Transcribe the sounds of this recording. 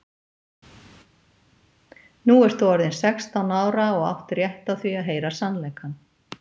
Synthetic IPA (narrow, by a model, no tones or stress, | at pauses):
nuɛɾ̥t̪θuɔɾðɪnsɛkst̪awnaːwɾaɔɣa̰wht̪rjɛht̪aθviaðɦeːjɾasanːlejkhanː